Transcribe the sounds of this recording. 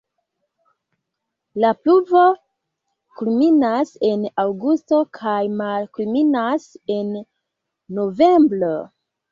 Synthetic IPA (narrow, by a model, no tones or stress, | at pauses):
lapluvo̞ | kulminase̞nawɡusto̞kʰajmalkulminase̞nː | o̞vembɾo